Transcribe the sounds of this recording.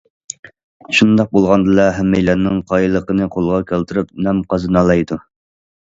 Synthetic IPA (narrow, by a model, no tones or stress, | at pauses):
ʃund̪ɑq̚bolˠʁɑnd̪ɨlˠɛɦɛmːejlænːɪŋqʰɑjlˠəqənɨqʰolˠʁɑkʲʰælt̪ɪɾɪp̚nɛmqɑzɨnɑlˠɑjd̪u